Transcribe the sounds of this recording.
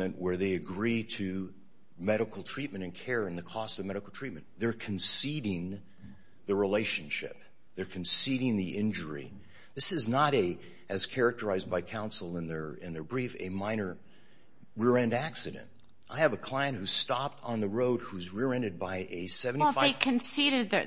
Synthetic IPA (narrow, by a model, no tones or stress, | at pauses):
ɨ̃nʔwə˞ðeɪɨɡɹiɾɨ | mɛɾɨkl̩ˠtʰɹ̥it̚mɨ̃ɾ̃ɨ̃nkʰɛɹɨ̃nðɨkʰɔstʌvmɛɾɨkl̩ˠtʰɹ̥it̚mɨ̃nðə˞kʰɨ̃n̩siɾɪ̃ŋ | ðɨɹileɪʃɨ̃n̩ʃɪ̰p̚ | ðə˞kʰn̩siɾɪ̃ŋðiʔɪ̃nd͡ʒə˞ḭ | ðɪsɨznəɾɨ | ɨz̥kʰɛɹɨk̚tə˞aɪzbaɪkʰãʊ̃nsl̩ˠɪ̃nðə˞ɪ̰̃nðə˞bɹifɨ̰mãɪ̃nə˞ | ɹɪɹɛ̃ndæksɨɾɨ̰̃nt̚ | ʔaɪɨvəkʰl̥aɪɨ̃nʔhʉ̥stɑp̚tn̩ðəɹoʊd̚huzɹɪɹɛ̃ndɨd̚baɪʔɨsɛvn̩ifeɪkʰɨ̃nsiɾɨd̪̚ðɨ